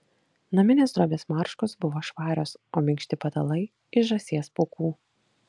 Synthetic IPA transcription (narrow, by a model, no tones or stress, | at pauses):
nɐmʲɪnʲeːsd̪ɾoːbʲeːsmɑˑɾʃkosbʊʋoːʃʋɑːɾʲoːsoːmʲɪŋkʃʲt̪ʲɪpɐt̪ɐlˠɐɪ | ɪʒɐsʲiɛspokuː